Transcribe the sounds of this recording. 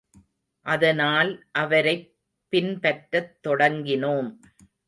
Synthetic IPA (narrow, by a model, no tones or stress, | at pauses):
ʔɐðɐnaːlʔɐʋɐɾɐɪ | pːɪnpɐʈɾɐt̪ːɔɽɐŋɡɪnoːm